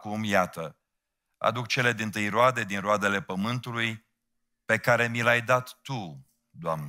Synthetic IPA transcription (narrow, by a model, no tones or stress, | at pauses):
kumjat̪ə | a̰d̪uk̚t͡ʃe̞le̞d̪int̪ɨjroad̪e̞d̪inroad̪e̞le̞pəmɨnt̪uluj | pe̞kaɾe̞milajd̪at̪ːu | d̪oamn